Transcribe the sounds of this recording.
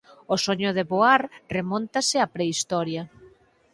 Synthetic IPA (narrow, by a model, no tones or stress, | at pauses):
osoɲʊðeβoaɾremont̪asɪapɾeist̪ɔɾjɐ